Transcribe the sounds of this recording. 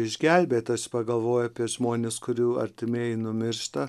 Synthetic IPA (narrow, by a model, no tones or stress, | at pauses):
ɪʒʲɡʲælʲbʲeːt̪ɐsʲɪ̥pɐɡɐlˠʋoːjʊɐpʲiɛʒmoːnʲeːskʊɾʲuːɐ̰ɾʲt̪ʲɪmʲeːjɪnʊmʲɪɾʃt̪ɐ